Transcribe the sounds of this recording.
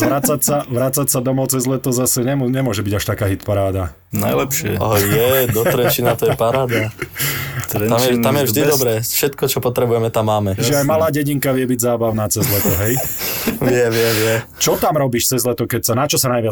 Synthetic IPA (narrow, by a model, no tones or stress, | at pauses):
ʋɾat͡sacsaʋɾat͡sacsad̪ɔmɔʊt͡sɛzlɛt̪ɔzasɛɲɛmɲɛmʊɔʒɛbiɟaʃt̪akaːɦit̪paɾaːd̪a | na̰jlɛpʃɪɛ̰ajɛd̪ɔt̪ɾɛt͡ʃinat̪ɔjɛpaɾaːd̪a | t̪t̪amjɛt̪amjɛvʒʒd̪id̪ɔbɾɛːfʃɛt̪kɔt͡ʃɔpɔt̪ɾɛbujɛmɛt̪amːaːmɛʒɛajmalaːɟɛɟiŋkaʋɪɛbiɟzaːbaʊnaːt͡sɛzlɛt̪ɔɦɛjʋɪɛʋɪɛʋɪɛ | t͡ʃɔt̪amɾɔbiːʃt͡sɛzlɛt̪ɔkɛcsanat͡ʃɔsanajʋɪa